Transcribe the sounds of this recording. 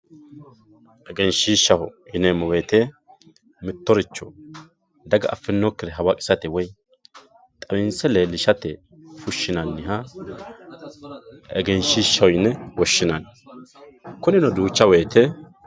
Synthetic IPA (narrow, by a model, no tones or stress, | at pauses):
ʔɛɡɛnʃiːʃːɐhɔɪnɛmɔweːt̪e | mɪt̪ːɔɾɪt͡ʃːɔ | d̪ɐɡɐʔɐfːɪnːɔkːɪɾɛɦɐwɐkʼɪ̥sɐt̪ɛwɔj | t̪ʼɐwɪnsɛlɛlɪʃɐt̪ɛ | fʊʃːɪnɐnːɪɦɐ | ʔɛ̰ɡɛnʃiːʃːɐwɔjɪnɛwɔʃːɪnɐn | kʊnɪnɔd̪uːt͡ʃːɐweːt̪ɛ